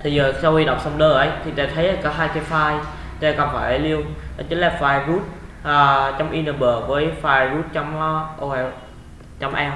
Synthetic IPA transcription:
t̪ʰi˨˩zəː˨˩sa˧whi˧ɗə̰˨˩wŋ͡msɔ˧wŋ͡mɗəː˧˩ʔə˨˦jt̪ʰi˨˩t̪aː˧t̪ʰə˨˦jʔə˧˩kɔ˨˦ɦaː˧jke˧faː˧j | t̪aː˧kɔ˨˩nfaː˧˩jʔə˨˩˦li˧əwt͡ɕi˨˦nlaː˨˩faː˧˩jzu˦˥t̚ʔəː˨˩t͡ɕɔ˧wŋ͡mʔi˧nə˧˩ɓəː˨˩vəː˨˦jfaː˧˩jɹu˦˥t̚t͡ɕɔ˧wŋ͡mɔ˧˦ʔo˧kɛ˧ | t͡ɕɔ˧wŋ͡mʔɛ˧w

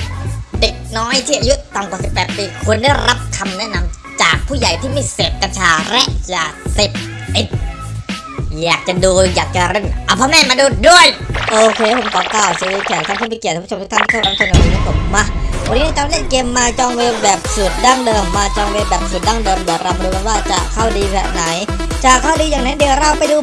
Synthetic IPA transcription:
de˨˩k̚nɔː˦˥jt̪ʰiː˥˩ʔa˧ju˦˥ʔt̪a˧˩mkwa˨˩si˨˩pːɛː˨˩t̪̚piː˧kʰu˧ənda˥˩jɾa˦˥p̚kʰa˧mnɛ˦˥ʔna˧m | t͡ɕaː˨˩k̚pʰuː˥˩ja˨˩jt̪ʰiː˥˩ma˥˩jseː˨˩p̚ka˧nt͡ɕʰaː˧ɾɛ˦˥ʔt͡ɕaː˨˩se˨˩p̚ | t̪i˨˩t̪̚ | jaː˨˩k̚t͡ɕa˨˩duː˧jaː˨˩k̚t͡ɕa˨˩ɾe˧˩nʔa˧˩pʰɔː˧˩mɛː˥˩maː˧duː˧˩du˥˩əjʔoː˧kʰeː˧˥pʰo˩˦mkʰɔː˨˦kaː˨˩wsiː˧˦˧k̪ʰːa˧˩kʰːpʰi˧˩i˨˩˧o˧mʰː˦˥t̪ʰnt̪ʰi˥˧˩ɾa˧˥t͡ɕʰo˧n˨a˨˩i˧˦na˧˥˩pʰo˨˩˦mːa˧˩wa˧niː˦na˥˩t͡ɕa˧le˥˩˨nkeː˧mːaː˧t͡ɕɔː˧ŋweː˧bɛː˨˩p̚su˨˩t̪̚daː˥˩ŋdɤː˧mːaː˧t͡ɕɔː˧ŋweː˧bɛː˨˩p̚su˨˩t̪̚daː˥˩ŋdɤː˧mdɯ˨˩˨ɾa˧wma˧ɾuː˧a˧nwaː˥˩t͡ɕa˨˩kʰa˥˩wdiː˧sɛ˨˩na˩˦j | t͡ɕa˨˩kʰaː˥˩wdiː˧jaː˨˩ŋna˦˥di˨˩əɾa˧wpa˧jduː˧

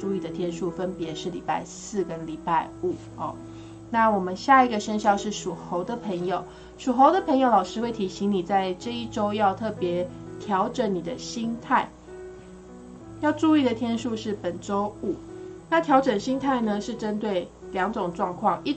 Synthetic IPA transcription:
u˥˧i˥˩d̪ə˩t̪ʰjɛ˥nʂu˥˩fə˦npjɛ˧˥ʂɻ̩˥˩lḭ˨˩pa˥˧ɪsɹ̩˥˩kə˦nli˨˩pa˥˩ɪu˨˩˦ɔ˨˩ | na˥˩wɔ˨˩mə˦nɕja˥˩i˧˩ɡə˨ʂə˥nɕjɑ˥˧ʊʂɻ̩˥˩ʂu˨˩xo˧˥ʊd̪ə˨pʰə˧˥ŋjo˨˩ʊ | ʂu˨˩xo˧˥ʊd̪ə˨pʰə˧˥ŋjo˨˧ʊlɑ˨˩ʂɻ̩˥we˥˩ɪt̪ʰi˧˥ɕi˧˥ŋni˨˩t͡sa˥˩ɪʈ͡ʂɤ˥˧i˥˩ʈ͡ʂo˥ʊjɑ˥˧ʊt̪ʰɤ˥˩pjɛ˧˥t̪ʰjɑ˧˥ʊʈ͡ʂə˨˩nni˨˩d̪ə˦ɕi˥ŋt̪ʰa˥˩ɪ | jɑ˥˧ʊʈ͡ʂu˥˧i˥˩d̪ə˨t̪ʰjɛ˥nʂu˥˧ʂɻ̩˥˩pə˨˩nʈ͡ʂo˥ʊu˨˩˦na˥˩t̪ʰjɑ˧˥ʊʈ͡ʂə˨˩nɕi˥ŋt̪ʰa˥˩ɪnə˨ʂɻ̩˥˩ʈ͡ʂə˦˥nt̪we˥˩ɪ | ljɑ˧˥ŋʈ͡ʂo˨˩ŋʈ͡ʂwɑ˥˧ŋkʰwɑ˥˩ŋi˥˧

